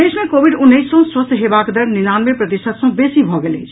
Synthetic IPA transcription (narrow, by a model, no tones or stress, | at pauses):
esmẽkoːbiɖʊnːəɪsːə̃swəst̪ʰɦebaːkd̪əɾnɪnaːnmepɾət̪isət̪sə̃besibʱɔɡelet͡ʃʰ